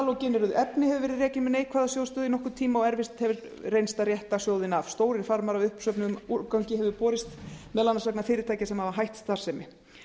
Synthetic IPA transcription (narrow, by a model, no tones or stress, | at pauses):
alɔcɪnːɛɾʏðʔɛpnɪhɛvʏvɛːɾɪðrɛːcɪnmɛnejkʰvaːðasjow̪st̪œːðinɔhkʏ̥t̪ʰiːmaɔɛɾvɪst̪hɛvɪɾ | rejnst̪aɾjɛht̪asjoːwðɪnav̥st̪oːwɾɪɾ̥faɾmaɾavʏhpsœpnɪmuɾkawɲcɪɦɛvɪpɔːɾɪst̪mɛðlanːasœknafɪːɾɪt̪ʰaːjcasɛmhavaɦajht̪st̪aɾ̥sɛmɪ